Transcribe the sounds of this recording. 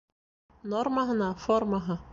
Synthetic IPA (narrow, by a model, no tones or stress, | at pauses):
nɔɾmaɦanafɔɾmaɦa